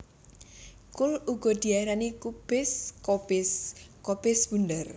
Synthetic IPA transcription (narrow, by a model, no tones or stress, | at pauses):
kʊluɡ̥ɔ̤d̪̥i̤aiɾanikub̥ɪskɔbɪskɔb̥ɪsb̥und̪ər